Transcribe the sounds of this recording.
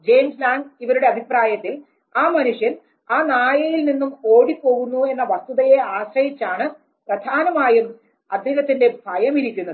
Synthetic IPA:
d͡ʑe̞jmslaːŋiʋɐɾuɽe̞ɐbʱipraːjɐt̪ːil | aːmɐnuʂjɐn | aːnaːjɐjilninːumo̞ːɽipːo̞ːɣunːue̞nːɐʋɐst̪uðɐje̞aːsrɐjit͡ɕːaːɳɨ | prɐd̪ʱaːnɐmaːjum | ɐd̪ʱeɣɐt̪ːinde̞bʱɐjɐmiɾikʲːunːɐðɨ

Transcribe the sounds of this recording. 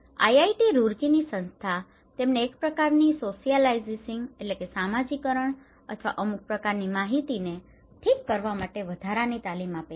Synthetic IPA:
a̰jaiʈiɾuɾkinisə̃nst̪ʰa | t̪emneːkpɾəkaɾnisosijəlaizisɪŋɡelekesamad͡ʒikəɾəɳ | ə̰t̪ʰʋa̰ʔəmuk̚pɾəkaɾnimaɦit̪ine | ʈʰikːəɾʋamaʈeʋəd̪ʱaɾanit̪alimape

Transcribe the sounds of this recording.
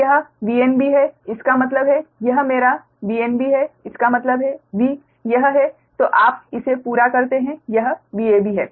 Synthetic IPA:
jɐɦbiːenbiɦɛɪskamɐt̪̬ləbɦɛjɐɦmeːɾa | biːenbiɦɛɪskamɐt̪ləbɦɛbiː | jɐɦɦɛ | t̪oːʔaːp̚ɪsepuːɾakɐɾt̪eɦɛ̃jɐɦbiːebʱiɦɛː

